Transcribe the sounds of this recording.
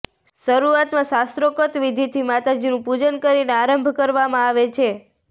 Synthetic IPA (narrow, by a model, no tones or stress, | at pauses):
ʃəɾuat̪mãʃast̪ɾokət̪ʋid̪ʱit̪ʰimat̪ad͡ʒinũpud͡ʒənkəɾineaɾəmbʱkəɾʋamãaʋet͡ʃʰe